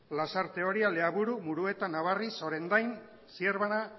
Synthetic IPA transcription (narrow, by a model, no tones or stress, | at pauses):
lasaɾt̪e̞o̞ɾiale̞aβuɾumuɾue̞t̪anaβariso̞ɾe̞nd̪ajn | sieɾβana